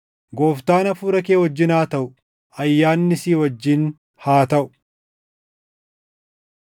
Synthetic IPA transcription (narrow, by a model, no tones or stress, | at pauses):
ɡo̞ːft̪aːnɐfuːɾɐkeːwɐd͡ʒːɪnaːt̪ɐʔʊ | ɐjːaːnːɪsiːwɐd͡ʒːɪn | haːt̪ɐʔʊ